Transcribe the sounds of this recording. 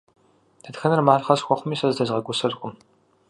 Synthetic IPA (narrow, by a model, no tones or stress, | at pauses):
d̥ʰɐtxɐnɐrmaːɮχɐsxʷɔχʷʊmiːsɐzdɐzʁɐɡʷʊsɐzkʷʼʊm